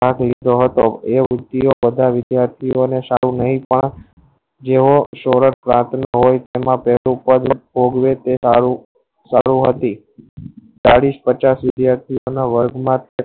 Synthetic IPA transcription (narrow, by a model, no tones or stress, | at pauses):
aklid̪ʱoɦət̪oeʋɾʊd̪ːiobəd̪ʱaʋɪd̪jaɾt̪ʰionesaɾũnəɦĩpəɳ | d͡ʒeʋoʃoɾəʈpɾãt̪ʰnəɦojt̪emãpɛɦlupəd̪əbʱoɡʋet̪eaɾu | saɾũɦət̪i | t͡ʃaɽispət͡ʃasʋɪd̪jaɾt̪ʰionaʋəɾɡmãt̪e